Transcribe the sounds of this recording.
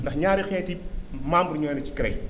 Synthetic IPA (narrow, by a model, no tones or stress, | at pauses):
ndɐxɲaːɾixɛːtimaːmbuɾɲɔːjnɐci̥kɾɐj